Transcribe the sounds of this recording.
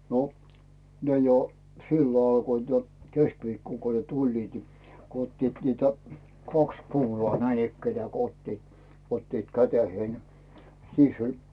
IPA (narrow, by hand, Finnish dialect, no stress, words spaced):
no ne jo silːo ɑlkoit jo keskʋiːkːoŋ ko ne tulʲliːt ni ko otːiːt niːtæ kɑks kuːlŏɑː næinikːenĕæˑ ko otːit otːiːt kæteheːn siːsː olʲ